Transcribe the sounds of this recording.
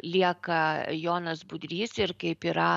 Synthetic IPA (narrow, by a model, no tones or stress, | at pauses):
lʲiɛkɐjoːnɐsbʊd̪ʲɾʲiːsɪɾkɐɪpiːɾɐ